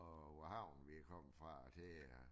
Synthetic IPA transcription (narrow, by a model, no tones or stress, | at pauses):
ɔʋɒhɑ̈ʊ̰n̩ʋikʰɒm̰fʁɑ̈d̥e